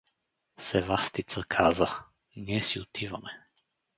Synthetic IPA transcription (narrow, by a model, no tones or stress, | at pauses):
sɛvast̪it̪səkʰazə | nɛsiʊt̪ʰivɐmɛ